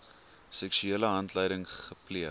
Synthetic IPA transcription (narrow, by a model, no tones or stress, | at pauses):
sɛksyiələɦɐntləjɾəŋχəpliə